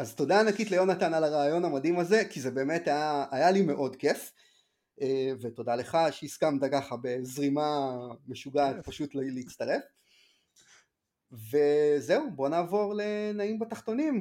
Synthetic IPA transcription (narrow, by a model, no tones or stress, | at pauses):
azto̞daːnakitlejo̞natanalaʁaːjo̞namadimaze̞kize̞be̞ːme̞tajaːjalime̞ʔo̞dke̞f | eveto̞dale̞χaʃeiskamt̪akaχabe̞zʁimame̞ʃuɡaːtpaʃutlleit͡st̪aʁe̞f | ve̞zeubo̞naːvo̞ʁlenaimbataχto̞nim